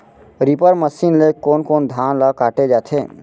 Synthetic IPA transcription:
ɾipəɾməsinlekoːnkoːnd̪ʱanləkaʈed͡ʒat̪ʰe

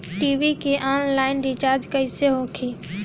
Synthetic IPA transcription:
ʈiːʋikeʔaːnlaːɪnɖit͡ʃaːɾd͡ʒkɐiseɦoːkʰiː

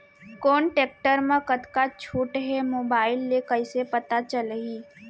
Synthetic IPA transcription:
koːnʈeːk̚ʈəɾmãkət̪kat͡ʃʰuːʈɦemoːbaːɪlːekəɪsepɐt̪at͡ʃəlɦiː

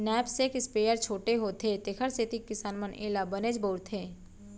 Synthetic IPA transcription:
nɛːpsekɪspeːjəɾt͡ʃʰoːʈeɦoːt̪ʰet̪ekʰəɾset̪ikːɪsaːnmənḛːlabəneːd͡ʒboːɾt̪ʰeː

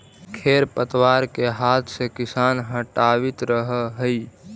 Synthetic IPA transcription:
kʰeːɾpət̪waːɾkeɦaːt̪ʰsekɪsaːnɦəʈawɪt̪ɾəɦəɦəi

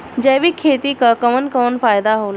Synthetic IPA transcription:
d͡ʑeʋiːkʰet̪ikakəʋənkəʋənfajd̪aɦol

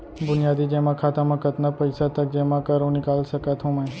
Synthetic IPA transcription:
bʊnijad̪id͡ʒɛmãkʰat̪amãkət̪napəɪsat̪ək̚d͡ʒɛmãkəɾũnɪkalʃəkat̪ɦũmɛ̃

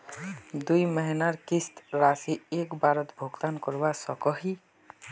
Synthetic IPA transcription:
d̪ujməɦinaɾkist̪ɾasiekbaɾət̪bʱoɡt̪ankɔɾbasɔkɔɦi

